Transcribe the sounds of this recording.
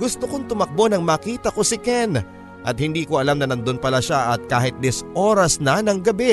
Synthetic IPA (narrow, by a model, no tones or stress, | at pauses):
ɡʊst̪okont̪ʊmɐk̚bo̞nɐŋmaːkiːt̪ɐko̞sɪkɛn | ʔɐt̪̚hɪnd̪iːkoʔɐlamnɐnɐnd̪onpɐlaʃaʔɐt̪̚kaːɦɪt̪̚d̪ɪsʔo̞ːɾɐsnɐnɐŋɡɐbɛ